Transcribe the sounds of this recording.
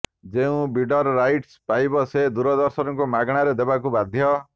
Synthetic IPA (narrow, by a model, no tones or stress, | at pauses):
d͡ʒeũbiɖɔɾɾajʈspajbɔsed̪uɾɔd̪ɔɾsɔnɔkumaɡɽ̃aɾed̪ebakubad̪ʱjɔ